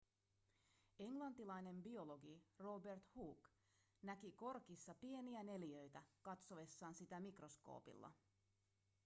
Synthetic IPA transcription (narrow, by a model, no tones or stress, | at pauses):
e̞ŋlɑnt̪ilɑjne̞mbio̞lo̞ɡiro̞be̞rt̪huːk | nækiko̞rkisːɑpie̞niæne̞ljø̞jt̪ækɑt̪so̞ʋe̞sːɑːnsit̪æmikro̞sko̞̰ːpḭlːɑ̰